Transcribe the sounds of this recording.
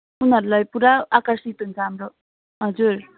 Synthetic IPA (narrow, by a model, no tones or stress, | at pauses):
unaɾlajpuɾaakaɾsitunkamɾɔ | ɦad͡ʒuɾ